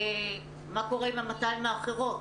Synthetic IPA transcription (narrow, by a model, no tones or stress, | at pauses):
e | mako̞ʁeimamat̪anmeafχeʁo̞